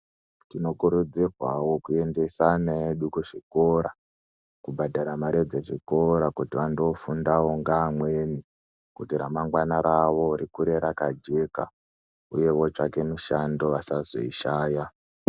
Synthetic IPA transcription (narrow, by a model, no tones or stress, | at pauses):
tino̞kuɾud͡zirwawo̞kue̞nde̞saneeɗukuʐiko̞ɾa | kubʱadʱaɾamaɾed͡zeʐiko̞ɾakutiʋandoːfundawo̞ŋɡaːmwe̞ni | kutiɾa̰maŋɡwanaɾaʋo̞ɾikuɾe̞ɾakad͡ʒe̞ka̰ | ṵje̞wo̞t͡ʂake̞muʃando̞ʋasazo̰iʃaːja